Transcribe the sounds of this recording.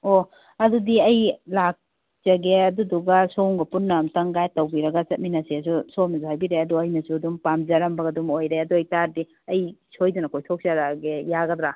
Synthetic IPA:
o | ɐdudiɐjlak̚ | zɐɡeɐduduɡɐsowŋɡɐpunːɐmtɐŋɡajtɐwbiɾɐɡɐt͡ʃɐt̚minɐsesusowmnɐsuhajbiɾeɐduɐjnɐsuduŋpamzɐɾɐmbɐɡɐdumojɾeɐduɐjtaɾdi | ɐjsʰojdunɐkojtʰok̚sɐɾaɡejaɡɐd̪ɾa

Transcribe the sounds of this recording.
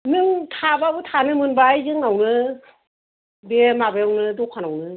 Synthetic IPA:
nɯŋtʰababɯtʰanɯmɯnbajzɯŋawnɯ | bemabajawnɯdɔkʰanawnɯ

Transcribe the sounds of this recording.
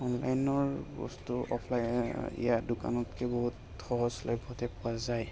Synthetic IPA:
ɔnla̰jnɔɹbɔ̰stuɔpʰlajḭjadʊka̰nɔtkʰɛbɔɦut | xɔɦɔslɔjbʱɔtɛpʊazaj

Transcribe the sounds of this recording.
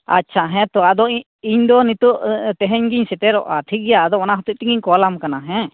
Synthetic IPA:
a̰ʃʰaɦɛ̃t̪ɔad̪ɔ | iɲd̪ɔnit̪uʔt̪ɛɦɛɲɡiɲsɛt̪ɛɾɔ̰ʔaʈ̪ʰiɡɛjaːd̪ɔmanaɦɔt̪uʔ̚t̪iŋɡiɲkɔlamkanaɦɛ̃

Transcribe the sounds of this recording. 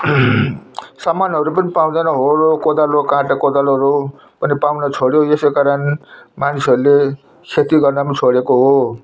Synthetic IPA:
samanɦʌɾupʌnipaw̃d̪anʌɦorokod̪alokãʈakod̪aloɦʌɾu | pʌnipaw̃nʌt͡sʰoɽjoesekaɾʌnmanisʌɾule | kʰet̪iɡʌrnʌmnt͡sʰoɽekoɦo

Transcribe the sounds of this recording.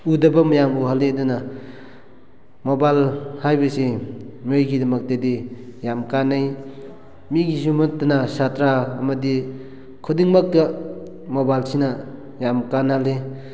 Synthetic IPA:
udɐbamajamuɦaledɔna | mobalhajbasemojɡidɐmak̚tedijamkanaj | miɡisumɔtanasatɾaːmɐdi | kʰɔdiŋmak̚da | mobalsina | jamkanale

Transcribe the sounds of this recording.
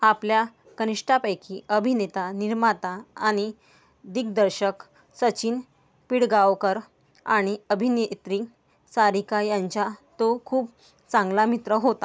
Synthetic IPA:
aplja | kəniʂʈʰapəjkʰiəbʱinet̪aniɾmat̪aːɽ̃i | d̪ik̚d̪əɾɕək | sət͡ɕiːn | piɽɡaʋkəɾ | a̰ɽ̃iəbʱinet̪ɾi | saɾikajaɲt͡ɕat̪okʰuːp | t͡sãŋɡlamit̪ɾəɦot̪a

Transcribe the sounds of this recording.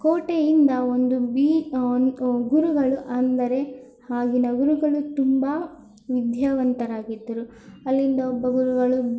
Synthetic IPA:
koːʈejind̪ɐo̞nd̪ubiː | ɡuɾuɡɐɭuʔɐnd̪ɐɾe̞ | haːɡinɐɡuɾuɡɐɭut̪umba | ʋid̪ʱjaːʋɐnt̪ɐɾaːɡid̪ːɐɾu | ɐlːind̪ɐobːɐɡuɾuɡɐɭu

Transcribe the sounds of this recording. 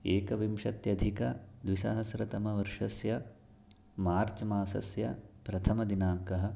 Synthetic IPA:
eːkɐʋimʂɐt̪jɐd̪ʱikɐd̪ʋiʃɐ̰ɦɐsɾɐt̪ɐmɐʋɐɾʂɐsjɐ | maːɾt͡ʃɐmaːsɐ̰sjɐ̰pɾɐt̪ʰɐmɐd̪inaːŋkɐɦɐ̆

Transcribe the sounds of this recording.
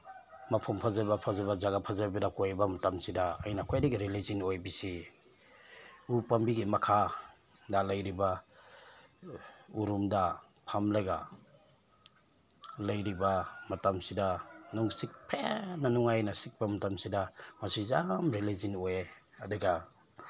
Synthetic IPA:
mapʰumpʰazabapʰazaβazaɡapʰazabidakojbamatamsida̰ːjnakʰojadiɡiɾilizinojbisi | upambiɡimakʰa | dalajɾiba | uɾumdapʰamlajɡa | lajɾibamatamsidanuŋsik̚pʰenanuŋajnasik̚bamatamsidamasizamɾilizinoje | adiɡa

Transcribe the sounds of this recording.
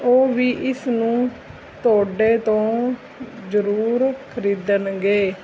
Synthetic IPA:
oːʋiːʔɪsnũː | t̪ʊoːɖeːt̪õː | zəɾuːɾkʰəɾiːd̪ənɡeː

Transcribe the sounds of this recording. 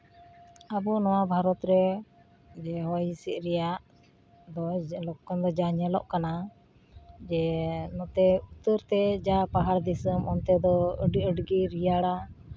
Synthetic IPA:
abɔnɔwabʱaɾɔt̪ɾɛ | d͡ʒɛɦɔjsiʔ̪̚ˀɾɛjaʔ | d̪ɔlɔkːɔnd̪ɔd͡ʒaɲɛlɔ̰ʔkana | d͡ʒɛnɔt̪ɛut̪əɾt̪ɛd͡ʒapaɦaɽd̪isəmʔɔnt̪ɛd̪ɔɖəɖɡiɾijaɽa

